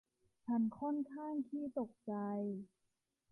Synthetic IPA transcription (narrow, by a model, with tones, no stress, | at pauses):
t͡ɕʰa˧˥˩nkʰɔ˥˩˨nkʰaː˥˩ŋt̪ʰiː˥˩t̪o˨˩k̚t͡ɕa˧j